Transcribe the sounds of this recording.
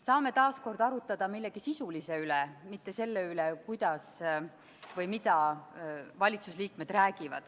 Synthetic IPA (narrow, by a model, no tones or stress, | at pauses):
sɑːme̞t̪ɑːsko̞rd̪̥ɑɾut̪ːˑɑd̪̥ɑmilːeɡ̥isisulise̞ylɛmit̪ːe̞se̞lːeylekujd̪̥ɑs | vɤjmid̪̥ɑ | vɑlʲit̪susliːkme̞d̪̥ræːɡ̥ivɑ̰d̪̥